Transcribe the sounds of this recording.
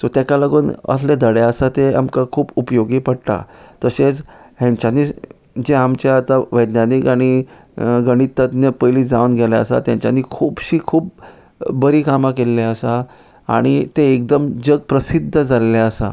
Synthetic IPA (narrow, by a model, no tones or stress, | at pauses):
sot̪jɛkaləɡuːnə̰sled̪ʱəɽeəsat̪ea̰mkakʰuːpupəjoɡiːpəɽʈa̰t̪əset͡sɦɛ̃ɲt͡ɕaniː | d͡ʑeamt͡ɕaːt̪aʋəjd̪nanikaɽ̃i | ɡəɽ̃it̪əd̪njəpəjliːd͡zaunɡʱɛlaə̰sa̰t̪jãɲt͡ɕja̰niːkʰuːbɕiːkʰuːp̚ | bəɾiːkamakelːeəsa | a̰ɽ̃it̪eek̚d̪əmd͡ʑəɡ̚pɾəsid̪ʱːəd͡zalleəsa̰